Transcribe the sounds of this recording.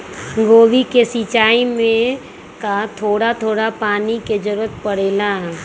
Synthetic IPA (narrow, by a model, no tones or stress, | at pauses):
ɡoːʋikesit͡ʃaːimẽ | kat̪ʰoːɽat̪ʰoːɽapaːniked͡ʒəɾuːət̪pəɽeːla